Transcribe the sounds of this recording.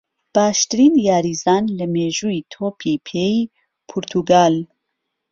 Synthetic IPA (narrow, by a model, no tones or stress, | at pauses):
b̥aːʃt̪ɨɾiːnjɑːɾiːzɑːnlɛmeːʒuːiːt̪ʰoːpʰiːpʰeːi | pʰuɾt̪ʰuɡaːl